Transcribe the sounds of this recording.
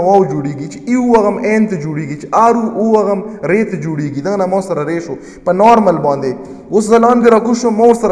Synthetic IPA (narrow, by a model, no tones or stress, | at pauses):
ɐwaːwd͡ʒuɽiːɡit͡ʃiiuɐɣɐmeːnt̪ɐd͡ʒuɽiːɡit͡ʃeʔaːɾuuɐɣɐmɾeːt̪ed͡ʒuɽiːɡid̪ɐnɐmãːsɐɾɐɾeːʃo | pɐnaːɾmɐlbɑ̃ːnd̪e | oszɐlɑːnɡɐɾakuʃomoɾsɐɾ